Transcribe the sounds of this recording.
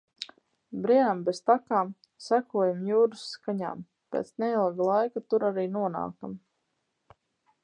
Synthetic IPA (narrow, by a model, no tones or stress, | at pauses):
bɾiɛnambɛst̪akaːm | sækuɔjamjuːɾusːkaɲa̰ːm | pʲḛːt̪sneilˠɡalˠajkat̪uɾaɾiːnuɔna̰ːka̰m